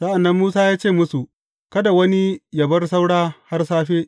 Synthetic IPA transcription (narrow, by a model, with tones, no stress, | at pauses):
sɐ˦ʔa˨nːɐ˦mːuː˦saː˦jaː˦t͡ʃeː˦˨mʊ˦su˨ | kɐ˦da˨wɐ˦ni˦jɐ˨bɐ˦rsa˦wɽaː˦ha˦rsaː˦ɸeː˦ʔ